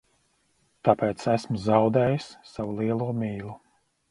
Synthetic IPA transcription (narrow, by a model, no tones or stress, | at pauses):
t̪apeːt̪sæsmuzawd̪ɛːjisːavulˠiɛlˠuɔmʲiːlˠu